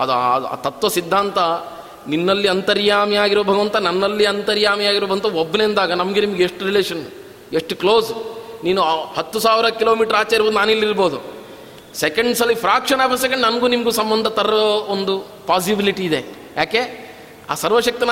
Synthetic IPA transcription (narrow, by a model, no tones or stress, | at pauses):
ɐd̪a̰ːt̪ɐt̪ʋɐsid̪ʱːaːnt̪ɐ | ninːɐlːiɐnt̪ɐɾjaːmiaːɡiɾoʋbʱɐɡɐʋɐnt̪ɐnɐnːɐlːiɐnt̪ɐɾjaːmijaːɡiɾoːɐʋɐnt̪ɐobːnend̪aːɡɐnɐmɐɡenimɐɡeeʂʈuɾileːʂɐn | eʂʈukloːsniːnuhɐt̪ːusaːʋiɾɐkiloːmiːʈɐɾaːt͡ʃɐiɾboːd̪unaːnilːiɾboːd̪u | sekɐɳɖsɐlːipʰɾaːkʂɐnaːpʰɐs̬ek̬ɐɳɖnɐnɡuːnimɐɡuːsɐmbɐnd̪ʱɐt̪ɐɾɐoond̪u | paːs̬ibiliʈiːd̪e̞ | jaːke̞ | a̰ːsɐɾʋɐʃɐk̚t̪in